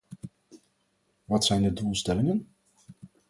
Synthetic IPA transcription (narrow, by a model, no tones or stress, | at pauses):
ʋɑtsɛjndədulˠstɛlɪŋən